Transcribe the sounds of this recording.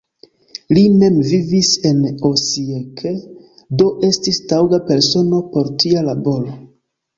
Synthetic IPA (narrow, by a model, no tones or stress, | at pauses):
lime̞mvivise̞nosiekʰe | do̞ʔe̞stistawɡape̞ɾso̞no̞po̞ɾtialabo̞ɾo̞